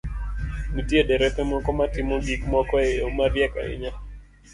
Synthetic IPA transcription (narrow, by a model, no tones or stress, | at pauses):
mutiedɛɾɛpɛmɔkɔmatɪmɔbikmɔkɔɛomaɾjɛka̰ɪ̰ɲa